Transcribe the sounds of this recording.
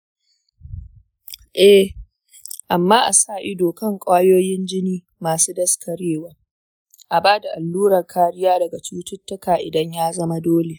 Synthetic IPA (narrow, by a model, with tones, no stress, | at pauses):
ʔɛ˦ | ʔa˨mːaː˦ʔa˨saː˦˨ʔɪ˦doː˨kɐ˦˨ŋkʷʼaː˦joː˦jɪ˦nd͡ʒɪ˦niː˦ | maː˨suː˦dɐ˦skʰɐ˨ɽeː˦wɐ˦r | ʔa˨baː˦da˨ʔa˨lːuː˦ɾɐ˨rkʰaː˦ɽɪ˦jaː˦dɐ˨ɡa˨t͡ʃuː˦tʊ˦tːɐ˦kaː˨ʔɪ˨dɐ˦ɲjaː˦zɐ˦ma˦doː˦le˨ʔ